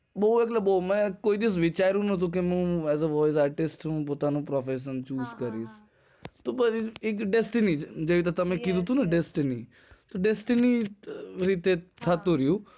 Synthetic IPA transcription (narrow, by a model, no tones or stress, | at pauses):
ɓooeklɐbomɛ̃koːid̪ɪs̬ʋɪt͡ʃaɪɾũnɐt̪̬ũk̬emũːɛːzəʋɔːɪs̬aːɾʈɪsʈũpot̪aːnũpɾɔfeʃ̬ənt͡ʃuːzkɐɾiːs | t̪opɐɾɪkɖesʈɪnid͡ʒeːʋit̪ɐt̪ɐmẽkid̪ut̪ũnɐɖesʈɪni | t̪oɖesʈɪni | ɾiːt̪et̪ʰat̪oɾijũ